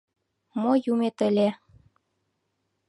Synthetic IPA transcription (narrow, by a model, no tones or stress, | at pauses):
mojumet̪ə̆lʲe